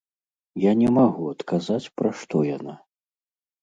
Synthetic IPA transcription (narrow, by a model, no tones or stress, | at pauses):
janʲɛmaɣuɐt̪kʰazat͡sʲpɾaʂt̪ɔjana